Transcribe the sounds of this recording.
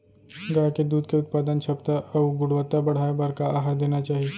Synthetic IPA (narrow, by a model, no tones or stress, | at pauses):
ɡaːked̪uːd̪keʊt̪paːd̪ənt͡ʃʰɐpt̪aʔɐɡʊɽʋət̪ːabɐɽ̤aːebaɾkaaːɦaɾd̪eːnat͡ʃaːɦie